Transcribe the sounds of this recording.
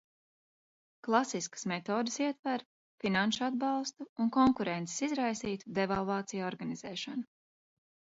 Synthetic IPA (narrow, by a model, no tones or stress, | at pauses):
klˠasiskə̥smɛt̪oːd̪əsiɛt̪vaɾ | finanʃad̪bɑlˠst̪uːnkɔŋkuɾɛnt̪se̥sizɾajsiːt̪u̥d̪evalˠvɑːt̪sijaɔɾɡanizɛːʃanu